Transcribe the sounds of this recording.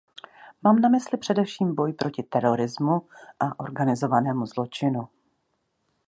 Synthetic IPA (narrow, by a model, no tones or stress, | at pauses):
maːmnamɪslɪpr̝̥ɛdɛfʃiːmbo̞jpɾo̞cɪt̪ɛɾo̞ɾɪzmuʔaʔo̞ɾɡanɪzo̞vanɛːmuzlo̞t͡ʃɪnu